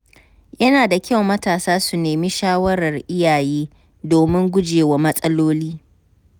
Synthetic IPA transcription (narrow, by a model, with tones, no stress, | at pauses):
jɐ˦naː˨da˨kʲɐ˦wmɐ˦taː˨saː˦su˨neː˨mi˦ʃaː˦wɐ˦ɾɐ˨rʔɪ˦jaː˨jeː˦ | doː˨mɪ˦ŋɡʷʊ˦d͡ʒeː˨wa˦mɐ˦sʼɐ˦loː˦liː˦